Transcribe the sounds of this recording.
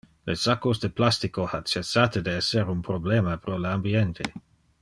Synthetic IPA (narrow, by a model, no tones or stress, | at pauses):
lesakosd̪eplast̪ikohat͡ʃesːaːt̪ed̪eɛseɾunpɾobleːmapɾoleambient̪ʰe